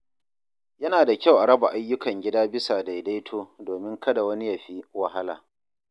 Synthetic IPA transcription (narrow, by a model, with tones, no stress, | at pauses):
jɐ˦naː˨da˨kʲa˦˨wʔa˨ɽɐ˦ba˨ʔa˦jːʊ˦kɐ˨ŋɡʲɪ˦daː˦bɪ˦saː˨da˨jda˦jtʰoː˦doː˨mɪ˦ŋkɐ˦da˨wɐ˦ni˦ja˨ɸi˦wɐ˨ɦa˦la̰ː˨